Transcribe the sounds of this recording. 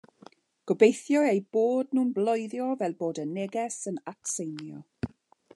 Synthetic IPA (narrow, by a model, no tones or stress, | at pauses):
ɡ̥ɔbejθjɔejboːdnuːnblˠɔjðjɔvɛlˠboːdənɛɡɛsənaksejnjɔ̰